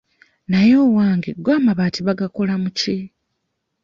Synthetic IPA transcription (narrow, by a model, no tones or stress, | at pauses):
najo̞ːwaːŋɡeɡwaːmaβatiβaɡako̞lamuci